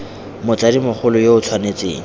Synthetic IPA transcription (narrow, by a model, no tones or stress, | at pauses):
mʊt͡sadimʊχʊlʊjoʊt͡sʰwanet͡sḛːŋ̩